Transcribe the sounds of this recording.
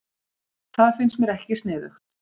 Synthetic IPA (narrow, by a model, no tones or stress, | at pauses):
θaðfɪnsmɛɾɛhcɪst̪nɪːðʏ̰x